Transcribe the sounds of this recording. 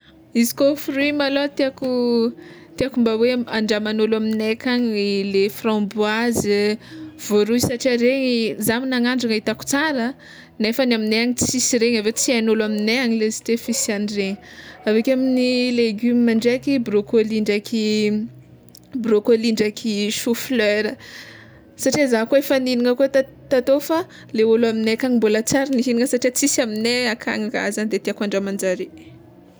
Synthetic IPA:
izi̥kofrimalot̪eaku | t̪iakumbaweaɳɖ͡ʐamanolaminekaɲlefrãbwaz | v̥oɾuisaʈ͡ʂiaɾeɲizaminaŋaɳɖ͡ʐaŋait̪aku̥t͡saɾə | nefənamineaɲit͡sisiɾeɲavet͡sianolamineaɲilezi̥t̪efisianireɲiavekʲaminileɡymimaɳɖ͡ʐakibrokoliɳɖ͡ʐakʰi | brokoliɳɖ͡ʐakʰiʃufløɾə | saʈ͡ʂiazakoefəniniŋəkut̪ | t̪at̪ofa | leolaminekaŋimbulat͡saɾaniɦiniŋəsaʈ͡ʂiat͡sisamineakʰa̰ŋaka̰zand̪et̪iakaɳɖ͡ʐamand͡ʒaɾe

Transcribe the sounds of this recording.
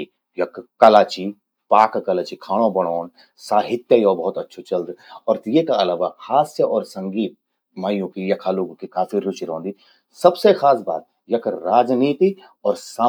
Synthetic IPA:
jɐkkːɐlaːt͡ʃi | paːkkɐlaːt͡ʃikʰaːɽ̃õbɐɽ̃oːn | saːɦɪt̪jəjoːbɐɦʊt̪ɐtːʃʰot͡ʃɐld̪ɔːɾt̪jekaɐlaːʋaxaːsjəʔɔːɾsɐ̃ŋɡiːt̪̚ | maːjõkijɐkʰaloːɡõkikaːfiɾʊt͡ʃiɾõːnd̪i | sɐbsexaːs̬ba̰ːt̪̚ | jɐkʰɾaːd͡ʒniːt̪i | ɔːɾsaː

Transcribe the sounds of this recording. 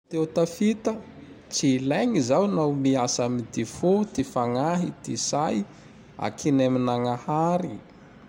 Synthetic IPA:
t̪ewt̪afit̪ə | t͡silajŋizawnawmiasamid̪ifut̪ifaŋaɦit̪isaj | a̰kʰinaminaŋahaɾi

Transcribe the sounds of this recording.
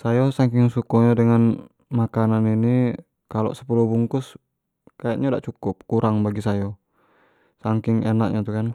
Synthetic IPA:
sajɔsaŋkɪŋsukɔɲadəŋan | makananini | kalɔ̰səpulubuŋkʊs | kajaʔɲada̰ʔt͡ʃukʊp̚kuɾaŋbaɡisajɔ | saŋkɪŋɛnaʔ̚ɲʔat̪ukan

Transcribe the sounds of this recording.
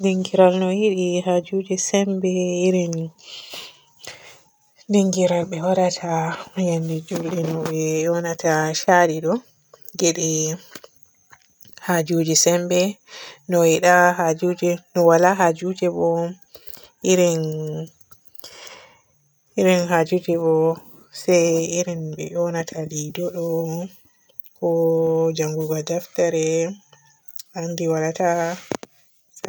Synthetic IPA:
diŋɡiɾalnɔjiɗiɦad͡ʒud͡ʒɛsɛmbɛiɾin | diŋɡiɾalɓɛwaɗatʰajandɛd͡ʒulɗɛnɔɓɛɔnatʰaʃaɾiɗɔ | ɡeɗi | had͡ʒud͡ʒɛsɛmbɛnɔwiɗaɦad͡ʒud͡ʒɛnɔwalaɦad͡ʒud͡ʒɛbɔ | ʔiɾin | iɾinɦad͡ʒutibɔ | sɛjiɾinbɛ̰ʔɔnatʰalidɔɗɔ | kɔd͡ʒaŋɡuɡadaftaɾɛ | ʔandiwalata

